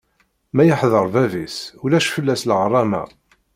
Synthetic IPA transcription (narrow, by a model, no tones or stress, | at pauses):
mæjəħðˤəɾˤvævisulæʃfəlːæslʁrˤːɑmæ̰